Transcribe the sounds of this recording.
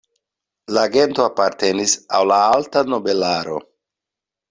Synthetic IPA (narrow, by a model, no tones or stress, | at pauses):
laːɡe̞nto̞apaɾte̞nisawlaaltano̞be̞laɾo̞̰